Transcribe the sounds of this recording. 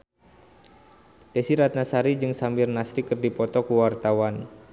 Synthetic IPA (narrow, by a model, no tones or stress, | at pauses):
d̥esiɾat̪̚nasaɾid͡ʒɨŋsambirnasɾikərdipɔt̪ɔkuwart̪awan